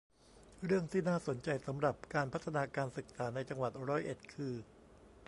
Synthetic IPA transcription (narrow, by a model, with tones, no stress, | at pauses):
ɾɯ˥˩əŋt̪ʰiː˥˩naː˥˩so˩˦nt͡ɕa˧jsa˩˦mɾa˨˩p̚kaː˧npʰa˦˥t̪ʰːa˧naː˧kaː˧nsɯ˨˩k̚saː˩˦na˧jt͡ɕa˧ŋwa˨˩t̪̚ɾɔː˦˥jʔe˨˩t̪̚kʰɯː˧